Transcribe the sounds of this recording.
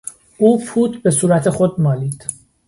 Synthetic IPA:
uːfuːt̪ʰbe̞suːɾæt̪ʰe̞xod̪̚mɒːliːd̪̥

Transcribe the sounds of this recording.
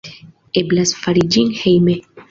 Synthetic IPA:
eblasfaɾid͡ʒinhejme

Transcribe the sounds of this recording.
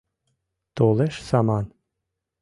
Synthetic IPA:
t̪oleʃsɑmɑn

